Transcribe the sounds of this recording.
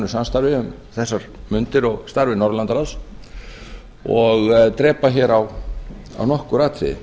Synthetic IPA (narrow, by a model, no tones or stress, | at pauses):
nʏ̥samst̪aɾvɪʏm | θɛsːaɾ̥mʏnt̪ɪɾɔɣst̪aɾvɪnɔɾlant̪aɾas | ɔɣt̪ɾɛːpaçɛɾaw | a̰wnɔhkʏɾaːt̪ʰɪ̰